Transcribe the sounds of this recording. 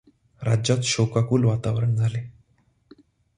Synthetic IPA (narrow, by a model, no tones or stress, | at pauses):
ɾad͡ʑat̪ɕokakuːlʋat̪aʋɾəɳd͡zʱale